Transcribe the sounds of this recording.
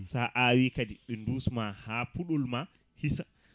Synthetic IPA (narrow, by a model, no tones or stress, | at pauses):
saːʔawikadiɓɛnduːsmahaːpuɗɔlma | hisa